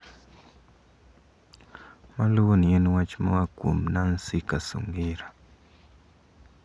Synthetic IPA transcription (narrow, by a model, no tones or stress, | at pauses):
maluwonieniwat͡ʃma̰wakṵmnan̩sikasṵŋɡiɾa